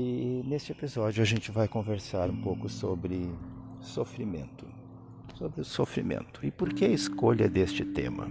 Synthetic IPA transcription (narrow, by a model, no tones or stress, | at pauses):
ɪnest͡ʃɪepizɔd͡ʒʊaʒẽnt͡ʃɪvajkõveɾsaɾũpowkʊsobɾɪsofɾimḛ̃nt̪ʊ̥ | sobɾɪʊsofɾimḛ̃nt̪ʊɪpoɾkeɐɪskoʎɐd̪est͡ʃɪt̪ḛ̃mɐ̰